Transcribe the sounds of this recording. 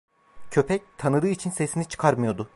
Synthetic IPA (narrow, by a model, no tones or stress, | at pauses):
cʰø̞pʰɛc̚t̪ʰanɯd̪ɯːit͡ʃʰinsesinit͡ʃʰɯ̥kʰaɾmɯjo̞d̪ʊ